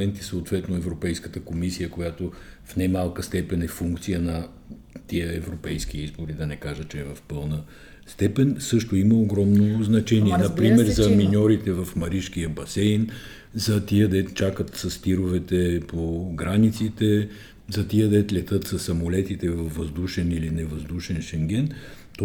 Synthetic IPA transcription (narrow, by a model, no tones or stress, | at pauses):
ɛnt̪isoːt̪vɛt̪noɛvɾopɛjskət̪əkomisijəkojat̪ofnajmalˠkəst̪ɛpɛnɛfuŋkt̪sijənɐ | t̪iəɛvɾopɛjskiizboɾid̪ɐnɛkaʒət͡ʃɛːvɐfpɤlˠnə | st̪ɛpɛnsɤʃt̪oiməoɡɾɔmnoznɐt͡ʃɛniɛnnɐpɾimmɛɾzɐminʲɔɾit̪ɛvɐfmɐɾiʃkijəbɐsɛjn | zɐt̪iəd̪ɛt̪t͡ʃakət̪sɐst̪iɾovɛt̪ɛpoɡɾanit̪sit̪ɛ | zɐt̪iəd̪ɛt̪lʲɛt̪ɤt̪sɐsːɐmolɛt̪it̪ɛvɐvːɐzd̪uʃɛnilinɛvɐzd̪uʃɛnʃɛŋɡʲɛn | t̪